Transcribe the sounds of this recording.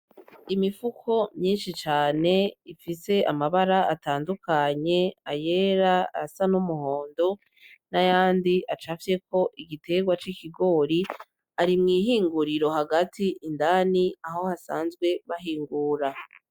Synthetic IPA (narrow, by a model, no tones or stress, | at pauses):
imifukʰo̞mɲiːnʃit͡ʃaːne̞ifise̞ʔamaβaɾaataːndukʰaɲe̞aje̞ɾaasanumuho̞ːndo̞ | najaːndiʔat͡ʃafje̞ko̞ʔiɡite̞ɡwat͡ʃiciɡo̞ːɾi | aɾimŋiːɦiːŋɡuɾiɾo̞haɡatʰiʔindaniaho̞hasaːnzɡwe̞βaɦiːŋɡuːɾa